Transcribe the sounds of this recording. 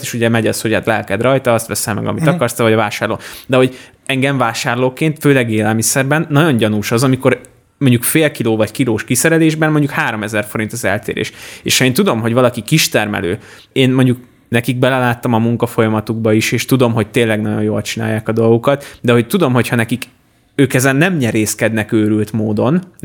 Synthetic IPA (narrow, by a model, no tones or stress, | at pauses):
t̪eʃuɟɛmɛɟɒshoɟha̰ːt̪lɛlkɛd̪rɒjt̪ɒɒst̪ʋɛsɛlmɛ̰ɡɒ̰mit̪ɒkɒrst̪ɛvɒɟɒvaːʃaːrlo̰ːd̪ɛɦo̞ɟ | ɛŋɡɛɱvaːʃaːrloːkeːnt̪føːlɛɡeːlɛlmisɛrbɛnːɒɟo̞ɲɟɒnuʃɒzɒmiko̞ɾ | moɲɟukfeːlkiloːvɒɟkiloːʃkisɛɾɛleːʒbɛnmoɲɟukhaːɾo̞mɛzɛrfo̞ɾint̪ɒzɛ̰lt̪ḛːɾḛːʃeːʃhɒeːnt̪ud̪o̞mɦo̞ɟvɒlɒkikiʃt̪ɛrmɛ̰lø̰ː | eːnmo̞ɲɟuk̚ | nɛkiɡ̚bɛlɛlaːt̪ːɒmɒmuŋkɒfo̞jɒmɒt̪uɡ̚bɒiʃeːʃt̪ud̪o̞mɦo̞c̚t̪eːnlɛɡnɒɟo̞njoːlt͡ʃina̰ːjːaːkɒd̪o̞lɡokɒt̪d̪ɛɦo̞c̚t̪ud̪o̞mɦo̞chɒnɛkik | øːkɛzɛnːɛmɲɛɾeːskɛd̪nɛkøːɾylt̪moːd̪o̞n